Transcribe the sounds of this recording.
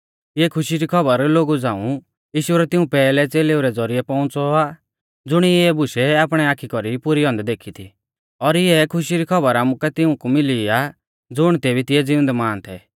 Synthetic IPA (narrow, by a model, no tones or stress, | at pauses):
jɛkʰʊʃiɾikʰɔbəɾloːɡud͡zãːṵ̃ | jiːʃʊɾɛt̪ɪũpɛːlɛt͡seːleːuɾɛd͡zɔɾiɛpɔʊ̃t͡sɔaː | d͡zʊɽ̃iɛbʊʃɛaːp̬ɽ̃ɛaːkʰikɔɾipʊɾiɦɔ̃nd̪ɛd̪eːkʰit̪ʰi | ɔɾɪjɛkʰʊʃiɾikʰɔbəɾaːmukɛt̪ɪũkumɪlia | d͡zʊɽ̃t̪eːbʱit̪ɪɛd͡zɪʊ̃ə̃nd̪ɛmaːnt̪ʰɛ̰